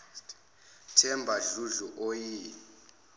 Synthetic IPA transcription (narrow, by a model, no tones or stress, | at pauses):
t | tʰɛmbʱaɮuɮuʔojiː